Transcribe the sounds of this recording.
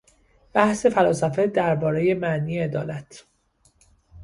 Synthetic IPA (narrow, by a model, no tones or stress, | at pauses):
b̥æhse̞fælɒːsæfe̞d̪æɾbɒːɾe̞je̞mæʔniːjeːd̪ɒːlæt̪ʰ